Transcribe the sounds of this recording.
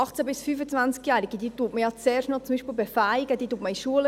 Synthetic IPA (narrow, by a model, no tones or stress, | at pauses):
ɑχt͡sæbɪsfyːfət͡svænt͡skjæːɾiɡəd̪iːtuːtməjɑt͡sɛːrʃnɔt͡sʊmbiːʃpiːlbɛfæɪɡəd̥iːtuːt̚məiʃuəl